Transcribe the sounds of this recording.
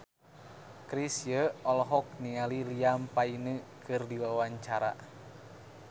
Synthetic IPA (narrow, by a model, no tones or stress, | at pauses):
kɾisjəɔlɔɦɔk̚niŋaliliampainəkɨrdiwawaɲt͡ʃaɾa̰